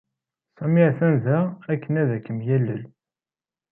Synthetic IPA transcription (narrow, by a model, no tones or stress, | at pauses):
sæmiʕθænzæækːənæðækːəmjælːə̰l